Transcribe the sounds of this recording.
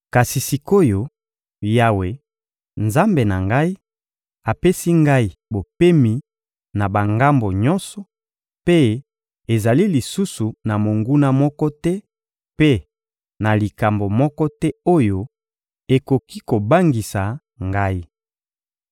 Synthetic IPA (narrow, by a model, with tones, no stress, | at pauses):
ka˨si˨si˨ko˦jo˨ | ja˦we˨ | nza˦mbe˨na̰˨ŋɡa˦i˦ | a˨pe˦si˦ŋɡa˦i˨bo˨pe˦mi˨ | na˨ba˨ŋɡa˦mbo˨ɲɔ˦nsɔ˨ | pe˦ | e˨za˨li˦li˨su˦su˨na˨mo˨ŋɡu˦na˦mɔ˦kɔ˦tɛ˦ | pe˦ | na˨li˨ka˨mbo˨mɔ˦kɔ˦tɛ˦o˦jo˦ | e˨ko˨ki˦ko˨ba˦ŋɡi˨sa˨ | ŋɡa˦i˦